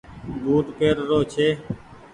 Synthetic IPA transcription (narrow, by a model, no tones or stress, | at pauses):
buːʈpeːɾːoːt͡ʃʰeː